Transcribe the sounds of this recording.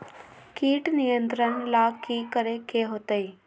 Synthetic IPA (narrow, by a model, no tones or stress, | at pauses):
kiːʈnijənt̪ɾəɳlakiːkəɾekeɦoːt̪əi